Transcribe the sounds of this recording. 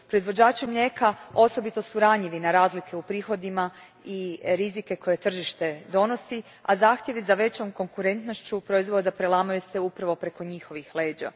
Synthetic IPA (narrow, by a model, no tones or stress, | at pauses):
pɾo̞izʋo̞d͡ʑaːt͡ʃimʎe̞kao̞so̞bit̪o̞suɾaɲiʋinaɾaːzlikʰe̞upɾiːxo̞d̪ima | iɾizike̞ko̞je̞t̪r̩ʒiʃt̪e̞d̪o̞no̞si | azaːxt̪je̞ʋizaʋe̞t͡ɕo̞mko̞ŋkuɾe̞nt̪no̞ʃt͡ɕupɾo̞izʋod̪apɾelˠamojuseupɾaʋo̞pɾe̞ko̞ɲixo̞ʋixle̞ːd͡ʒa̰